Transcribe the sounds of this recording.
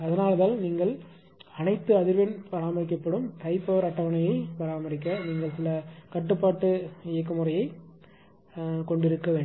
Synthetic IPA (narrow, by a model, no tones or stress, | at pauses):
ɐðɐnaːlɐðaːlniːŋɡɐɭ | ɐnɐɪt̪ːɯɐðɪɾʋɐnpɐɾaːmɐɾɪk̬ːɐpːɐɽɯmt̪ɐɪpːɐʋɾɐʈːɐʋɐɳɐjɐɪpɐɾaːmɐɾɪk̬ːɐniːŋɡɐɭsɪlɐkɐʈːɯpːaːʈːɯɪjɐk̬ːɐmɯrɐjɐɪ | kɔɳɖɪɾɯkːɐʋeːɳ